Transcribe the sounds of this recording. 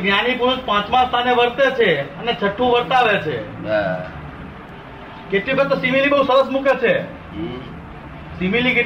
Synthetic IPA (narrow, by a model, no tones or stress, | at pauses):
ɡnjanipuɾuʃpãt͡ʃmãst̪ʰaneʋəɾt̪et͡ʃʰeənet͡ʃʰəʈʰːũʋəɾt̪aʋet͡ʃʰe | keʈlibəet̪osimilibəɦũsəɾəsmukʰet͡ʃʰe | similike